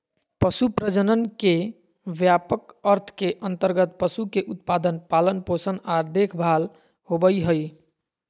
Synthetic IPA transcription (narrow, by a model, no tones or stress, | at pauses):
pəsupɾəd͡ʒənənke | ʋjapəkəɾt̪ʰkeʔənt̪əɾɡət̪̚pəsukeʔut̪̚pad̪ənpalənposənad̪ekʰbʱal | hobəjɦəj